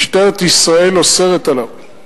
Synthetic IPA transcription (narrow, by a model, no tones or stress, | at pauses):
ʃt̪eʁt̪isʁaeloseʁet̪alav